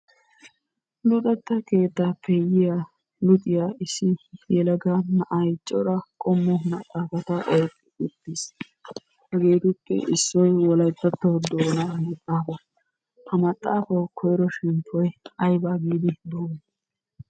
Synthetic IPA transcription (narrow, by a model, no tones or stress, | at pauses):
lʊt̪ʼɐt̪ːɐke̞ːt̪ːaːpʰːɛjɪjaː | lʊt̪ʼɪjaɪsːɪjɛlɐɡɐnɐʔɐjt͡ʃʼːɔɾɐkʼɔmːɔmɐt̪ʼːaːfɐt̪ɐʔɔjkʼːɪ̥ʊt̪ːis | hɐɡeːt̪ʊpːɛ̰ʔɪsːɔjwɔlɐjt̪ːɐt̪ːɔwd̪oːnɐmɐt̪ʼːaːfɐ | hɐmɐt̪ʼːaːfɐwkʰɔjɾɔʃɪmpʰːɔjɐjbaːɡiːd̪ɪd̪oːm